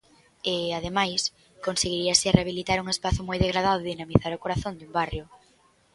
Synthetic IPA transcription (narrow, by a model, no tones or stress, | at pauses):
eað̞emajs | konseɣiɾiasɪreaβilit̪aɾuŋespaθʊmojðeɣɾað̞aðʊðinamiθaɾokoɾaθond̪umbarjʊ